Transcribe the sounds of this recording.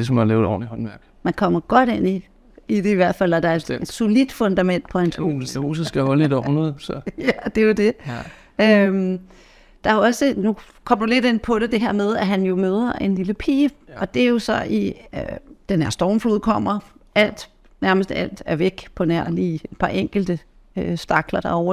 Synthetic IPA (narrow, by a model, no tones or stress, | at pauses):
d̥esɒmɑlḛːʊɒ̰ːlihɒnʋæɐɡ̥mænkʰɒ̽m̰ɐɡ̥ɒ̽ɾ̥e̝n̰i | id̥e̝iʋæɐ̰d̥fæl̰æd̥ɑ̈ed̥e̥so̝lid̥fɔ̽nd̥æmen̰d̥pʰɒ̽enʰsd̥æho̝ːsðsɡ̥æhɒ̽ləedɒ̰ːhunɐðˠsɒjæd̥e̝jod̥e̝ | øm | d̥ɑ̈æɐɒ̽sənukʰɒ̽m̰d̥ule̝d̥e̝npʰɒ̽ɾ̥e̝d̥e̝ɦeɐ̰með̞ˠæɦænjo̝møːð̞ˠɐʔe̝nliləpʰḭːɒ̽d̥e̝æɐjo̝sɒ̽ʔi | d̥enhæɐ̰sd̥ɒːmfluð̰ˠkʰɒ̽m̰ɐæl̰d̥ | næɐməsd̥æ̰l̰d̥æɐʋeɡ̥pʰɒ̽næɐ̰lied̥̚pʰɑ̈ʔeŋ̰ɡ̥l̩d̥ə | øsd̥ɑ̈ɡ̥lɐd̥ɑ̈ɒʊɐ